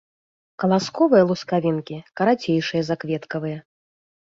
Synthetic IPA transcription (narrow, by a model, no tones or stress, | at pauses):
kɐlˠaskɔvɨjɐlˠuskavʲinkʲikɐɾat͡sʲejʂɨjɐzakvʲɛt̪kɐvɨjɐ